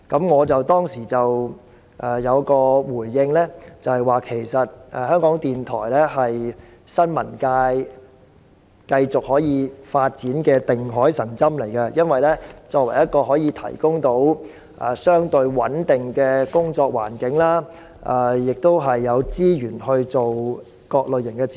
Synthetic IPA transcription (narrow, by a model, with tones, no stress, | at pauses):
kɐ˨˥mŋɔː˨˧t͡sɐ˨wt̪ɔː˥ŋsiː˨˩t͡sɐ˨w | ʔɛː˨˩jɐ˨˧wkɔː˧wuː˨˩jːɪ˧ŋlɛː˥t͡sɐ˨whɐ˨jwaː˨˩kʰe˨˩jsɐ˨t̚ʔɛ˨˩hœː˥ŋkɔː˨˥ŋt̪iː˨nt̪ʰɔ̰ː˨˩jlɛ˥ɦɐ˨j | sɐ˥nmɐ˨˩nkaː˧j | kɐ˧jt͡sʊ˨k̚hɔː˨˥jiː˨˧faː˧t̚t͡siː˨˥nkɛː˧t̪ɪ˨ŋɦɔː˨˥jsɐ˨˩ŋt͡sɐ˥mle˨˩jkɐ˧jɐ˥nwɐ˨jlɛː˥t͡sɔː˧k̚wɐ˨˩jɐ˥t̚kɔː˧ɦɔː˨˥jiː˨˧t̪ʰɐ̰˨˩jkʊ˥ŋt̪o˨˥w | ʔɛː˨˩sœː˥ŋt̪ɵ˧ɥwɐ˨˥nt̪ɪ˨ŋkɛː˧kʊ˥ŋt͡ʃɔː˧k̚wa̰ː˨˩nkɪ˨˥ŋlaː˥ | ʔɛ˨jɪ˨k̚t̪o˥wɦɐ˨jːɐ˨˧wt͡siː˥jyː˨˩nɦɵ˧ɥt͡so˨w | kɔː˧k̚lɵ˨˩jɪ˨˩ŋkɛ˧